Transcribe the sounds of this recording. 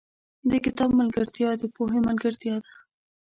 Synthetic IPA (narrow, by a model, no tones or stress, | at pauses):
d̪əkɪt̪ɑbmalɡaɾt̪jɑd̪epoɦemalɡaɾt̪jɑd̪a